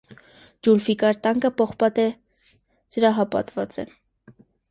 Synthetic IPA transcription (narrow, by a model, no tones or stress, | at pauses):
d͡ʒulfikɑɾt̪ɑŋkəpɔχpɑt̪ɛ | d͡z̥əɾɑɦɑpɑ̰t̪vɑt͡sɛ̰